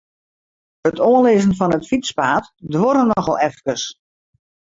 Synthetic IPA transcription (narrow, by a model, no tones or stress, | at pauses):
ətʰoənleːzənfɔnətfitspaːtdʋoɾənɔxɔ̰lˠɛfkəs